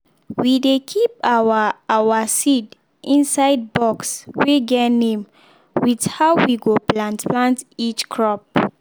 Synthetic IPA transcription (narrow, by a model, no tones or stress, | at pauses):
widekʰipaawasid | ʔĩnsaɪd̚bɔksweɡɛnẽm | widhaʊwiɡoplãntplãntit͡ʃkʰɹɔp̚